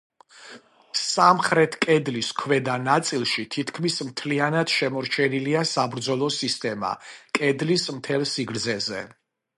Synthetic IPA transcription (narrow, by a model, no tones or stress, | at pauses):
samχɾɛt̪ʰkʼɛd̪liskʰvɛd̪anat̪sʼilˠʃit̪ʰit̪ʰkʰmismt̪ʰlianad̪̥ʃɛmɔɾt͡ʃʰɛniliasabɾd̪zɔlˠɔsist̪ʼɛma̰kʼɛd̪lismt̪ʰɛlˠsiɡɾd̪zɛzɛ̰